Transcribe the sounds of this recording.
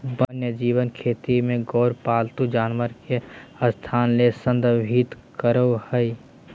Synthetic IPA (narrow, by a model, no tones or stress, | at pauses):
bənjəd͡ʒiːwənkʰeːt̪imẽɡɔːɾpaːlt̪ud͡ʒaːnməɾkeəst̪ʰaːnlesə̃nd̪bʱiːt̪ | kəɾohəi